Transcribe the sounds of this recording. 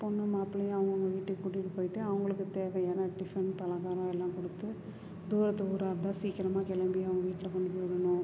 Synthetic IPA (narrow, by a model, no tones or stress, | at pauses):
pɔnːɐmaːpɪlɐjãɐʋɐŋɡɐʊŋɡɐʋiːʈːɯkːkːʊʈːɪʈːɯpoːjɪʈːɯɐʋɐŋɡɐɭɯkːɯt̪eːʋɐjɛːnɐɖɪfɾɛnpɐlɐɡaːɾɐ̃ːɛlːãːkɔɽɯt̪ːɯ | d̪uːɾɐt̪ːɯuːɾaːɾɐt̪ãːsiːkːɪɾɐmaːkɛɭɐmbɪjãɐʋɐŋɡɐʋiːʈːɪlɐkɔɳːɯpoɾɐnʊ̃